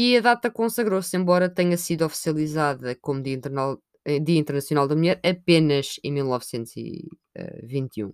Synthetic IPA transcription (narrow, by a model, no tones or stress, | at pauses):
iɐðat̪ɐkõsɐɣɾosẽmbɔɾɐt̪ɛɲɐsiðɔfi̥siɐlˠizaðɐkomud̪iɐĩnt̪ɾal̃ˠ | d̪iɐĩnt̪ɾnɐsjunalˠd̪ɐmuʎɛɾɐpenɐʒẽj̃milˠnɔvsẽnt̪uz̥ḭ | ɛ̰vĩnt̪jṵ̃